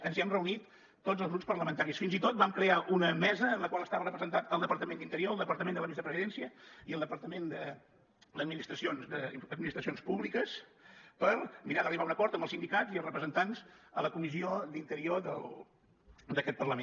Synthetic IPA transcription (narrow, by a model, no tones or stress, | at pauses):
ənziɛmrəunit̪ː | ozəlzɣɾupspərləmənt̪aɾisfinzit̪ot̪̚bamkɾeaʔunəmɛzəːnləkwalˠəst̪aβərəpɾəzənt̪at̪əlˠd̪əpəɾt̪əmẽnd̪int̪əɾioəlˠd̪əpəɾt̪əmend̪ələmizðəpɾəziðɛnsiəiəlˠd̪əpəɾt̪əmend̪ə | d̪əd̪minist̪ɾəsionzd̪əd̪̚minist̪ɾəsionspuβlikəspəɾmiɾaðəriβaunəkɔɾt̪əmbəlˠsind̪ikaiəlˠzrəpɾəzənt̪anzələkumiziod̪int̪əɾioðə̰lˠ | d̪əkɛt̪̚pərləmẽn